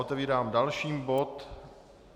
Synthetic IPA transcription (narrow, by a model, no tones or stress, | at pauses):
ot̪ɛviːɾaːmdalʃiːmbo̞t̪